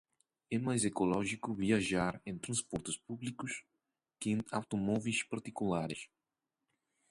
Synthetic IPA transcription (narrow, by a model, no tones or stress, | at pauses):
ɛmajzekolɔʒikʊviaʒaɾẽnt̪ɾɐ̃nspɔɾt̪ʊspublikʊs | kɪẽnawt̪omɔvispaɾt̪ikulaɾɪs